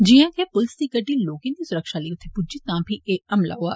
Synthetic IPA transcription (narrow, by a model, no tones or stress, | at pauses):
d͡ʒiãːkepʊlsd̪ikəʈiloːkĩnd̪isʊɾəkʃaliːt̪ʰepʊd͡ʒit̪ãbʱiʔeːkɐmla̰ɦoa̰ː